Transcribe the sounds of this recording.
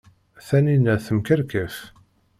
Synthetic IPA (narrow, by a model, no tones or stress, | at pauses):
θæninːæθəmkəɾkəf